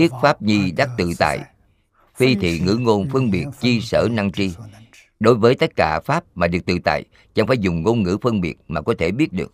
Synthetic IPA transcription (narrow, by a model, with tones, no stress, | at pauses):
i˦˥ət̚faː˦˥p̚ɲi˧ɗa˦˥k̚t̪ɨ̰˧˨t̪a̰ː˧˨j | fi˧t̪ʰḭ˧˨ŋɨ̰˧˥ŋo˧nfɨ˧əŋɓi˨˩ət̚t͡ɕi˧səː˧˩na˧ŋt͡ɕi˧ | ɗo˨˦jvəː˨˦jt̪ə˦˥t̚kaː˧˩faː˦˥p̚maː˨˩ɗɨ˨˩ək̚t̪ɨ̰˧˨t̪a̰ː˧˨j | t͡ɕa̰˧ŋfaː˧˩˦jzʊ˨˩ŋ͡mŋo˧nŋɨ̰˧˥fə˧ŋɓi˨˩ət̚maː˨˩kɔ˨˦t̪ʰe˧˩ɓi˦˥ət̚ɗɨ˨˩ək̚